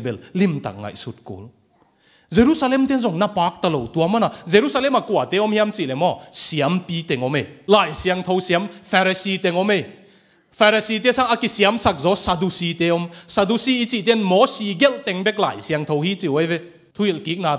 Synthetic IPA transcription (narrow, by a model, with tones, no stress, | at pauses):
bɛ˧lli˧mt̪a̰˨k̚ŋa̰˨jsu˧˦t̚kṵ˨˦l | ze˧ɾu˦sa˧lɛ˧˨mt̪ɛ˥˦nzɔ˨˩ŋna˧paː˨˦k̚t̪a˧˨lo˨˩wt̪u˧ɐ˧ma˦na˨˩ze˧ɾu˧˦sa˧lɛ˧˨ma˨˩ku˧˨a˨˩t̪ɛ˨˦ɔ˧˦mhi˧a˧mt͡si˧˨lɛ˨mɔ˧˨si˧˨a˦mpiː˧˦t̪ɛ˧ŋɔ˧˦me˧jlaː˨˩jsi˧ɐ˧ŋt̪ʰo˧wsi˧a˦mfʰɛ˧ɾa˧si˧t̪ɛ˧ŋɔ˦me˧j | fʰa˧ɾa˧si˧t̪ɛ˦sa˦ŋʔa˧ki˧si˧a˦msa˧k̚zɔ˨˦sa˧du˧si˧t̪e˨˦ɔ˧˦msa˧du˧si˧˦i˧˦t͡si˧˨t̪ɛ˦˥˨nmɔ˨˦si˧ɡɛ˦lt̪ɛ˧ŋbɛ˦˥k̚la̰ː˨˩˨jsi˧a˧ŋt̪ʰo˧whi˦t͡si˧˨wa˦jve˧˦ | t̪ʰu˧˦i˧˨lki˨˦k̚na˧